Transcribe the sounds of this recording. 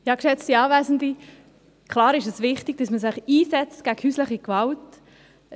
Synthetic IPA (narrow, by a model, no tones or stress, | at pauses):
jɑːkʃɛt͡stiɑːvæːzn̩di | kʰlɑːɾɪʃɛsvɪχtɪɡ̥̚d̥ɑsməsɪχiːsɛt͡stɡ̥æɡ̥hyːslɪχikvɑlt